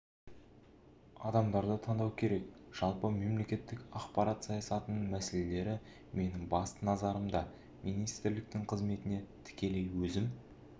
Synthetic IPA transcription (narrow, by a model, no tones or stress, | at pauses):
ɑd̪ɑmd̪ɑɾd̪ət̪ʰɑnd̪ɑwkʲʰe̞ɾe̞kʒ̥ɑlˠpəme̞mle̞kʲe̞t̪ːɪkɑqpɑɾɑt̪sɑjɑsɑt̪ənəɴmæsele̞le̞ɾɪ | me̞nɪŋbɑst̪ənɑzɑɾəmd̪ɑ | mijnijst̪ɪɾlɪk̚t̪ɪŋqʰəzme̞t̪ɪne̞t̪ʰɪ̥kʲe̞le̞jwɵzɪm